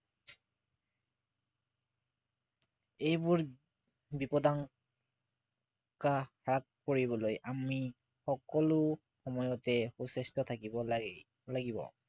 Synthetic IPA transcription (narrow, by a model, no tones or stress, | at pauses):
ejbuɹ | bipɔdan | ka | ɹakkoɹibɔlojʔami | xɔkɔlʊ | xɔmɔjɔtɛxusestɔt̪ʰakibɔ | laɡibɔ̰